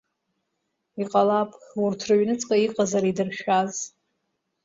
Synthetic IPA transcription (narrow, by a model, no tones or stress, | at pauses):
iqʼalapʼurtʰrɨɥnɨt͡sʼkʼaiqʼazaɾidɨrʃᶣaz